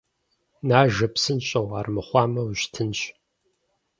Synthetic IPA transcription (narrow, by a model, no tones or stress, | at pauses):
naːʒɐpsɨnɕʼɐwaːrmɨχʷɑːmɐwɕtʰɨnɕ